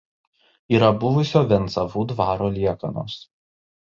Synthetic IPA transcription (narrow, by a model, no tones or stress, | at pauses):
iːɾɐbʊʋʊsʲoːʋʲɛnt̪sɐʋuːd̪ʋɑːɾoːlʲiɛkɐno̰ːs